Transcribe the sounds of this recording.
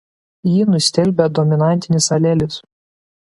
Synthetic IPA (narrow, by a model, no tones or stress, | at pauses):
jiːnʊsʲt̪ʲɛlʲbʲɛd̪ɔmʲɪnɑˑnʲt̪ʲɪnʲɪsɐlʲɛlʲɪs